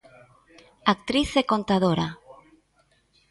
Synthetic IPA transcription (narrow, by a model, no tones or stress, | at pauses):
ak̚t̪ɾiθekont̪aðoɾa